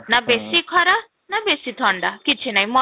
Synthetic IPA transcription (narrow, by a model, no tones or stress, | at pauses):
nabesikʰɔɾa | nabesit̪ʰɔɳɖakit͡ʃʰinaĩmɔ